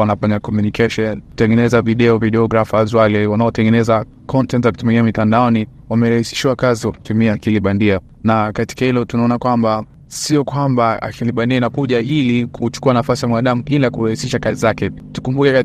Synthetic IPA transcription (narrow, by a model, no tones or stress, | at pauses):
anafaɲakɔmjunikɛʃɔntɛŋɡɛnɛzaviɗɛɔviɗɛɔɡɾafazwalɛwanaɔtɛŋɡɛnɛza | kʰɔntɛntakitumɛɡiamitandaɔni | wamɛɾahisi̥ʃiwakaziɔkutumiaːkiliɓandia | nakati̥kahilɔtunaɔnakwamba | siɔkwambaa̰kʰiliɓandiainakuʄailikʰut͡ʃu̥kuanafasijamwaɗamuilakuɾahisiʃakazizakɛtu̥kumbukɛa